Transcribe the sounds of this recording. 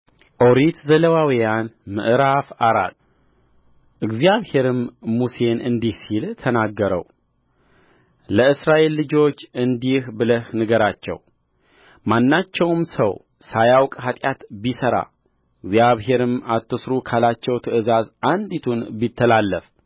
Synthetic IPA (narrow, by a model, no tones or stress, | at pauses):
ʔoɾit̪zələwawijanmɨ̰ʔɨɾafaɾa̰l | ʔɨɡzijaβhe̞ɾɨmːuse̞nɨnd̪ihsilt̪ʰənaɡːəɾə̰w | ləɨsɾaʔe̞lːɨd͡ʒo̞t͡ʃːɨnd̪ihbɨləhnɨɡəɾat͡ʃːɛ̰w | manːat͡ʃːɛwmsə̰w | sajawkʼɦat̪ʼjat̪bisəɾa̰ | ɨɡzjaβɦe̞ɾɨmat̪ʰːɨsɾukʰalat͡ʃːɛwt̪ʰɨɨzazʔand̪it̪ʰunbit̪ʰːəlalːəf